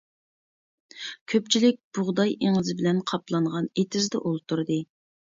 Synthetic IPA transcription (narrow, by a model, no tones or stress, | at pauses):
kʲʰøpt͡ʃʰilɪk̚ʲb̥ʊʁd̪ɑjeŋɨzɨbɪlɛnqʰɑplˠɑɴʁɑnet̪ʰɪzd̪ɛ̰ʔolˠt̪ʰuɾd̪ɨ